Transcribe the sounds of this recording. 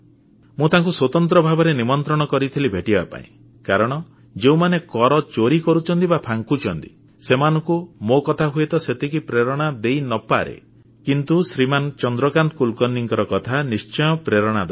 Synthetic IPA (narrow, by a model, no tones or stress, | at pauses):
mũt̪aŋkuswot̪ɔnt̪ɾɔbʱabɔɾenimɔnt̪ɾɔɽ̃ɔkɔɾit̪ʰilibʱeʈibapa̰ḭ̃ | kaɾɔɽ̃ɔ | d͡ʒeũmanekɔɾɔt͡ʃoɾikɔɾut͡ʃʰɔnt̪ibapʰaŋkut͡ʃʰɔnt̪i̥ | semanɔ̃ŋkumokɔt̪ʰaɦuet̪ɔset̪ikipɾeɾɔɽ̃ad̪ejnɔpaɾḛ | kint̪usɾimant͡ʃɔnd̪ɾɔkant̪kulkɔnːiŋkɔɾɔkɔt̪ʰanist͡ʃɔj̃ɔpɾeɾɔɽ̃ad̪a